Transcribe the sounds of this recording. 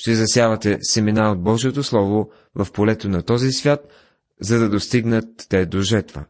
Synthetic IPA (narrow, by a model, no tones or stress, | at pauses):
ʃt̪ɛzɐsjavɐt̪ɛsɛminaod̪̚bɔʒiɛt̪oslˠɔvo | vɐfpolɛt̪onɐt̪ɔzisvʲjat̪ | zɐd̪ɐd̪ost̪iɡnət̪ːɛd̪oʒɛɾt̪və̰